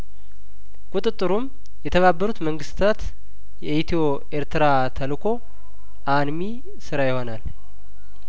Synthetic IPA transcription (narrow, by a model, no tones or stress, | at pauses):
kʼut̪ʼɨt̪ʼːɨɾum | jɛt̪ʰəβabːəɾut̪məŋɡɨst̪ʰat̪ | jɛʔit̪ʰio̞ | ʔeɾt̪ʰɨɾa | t̪ʰəlkʰo̞ | ʔanmi | sɨɾajɪho̞nal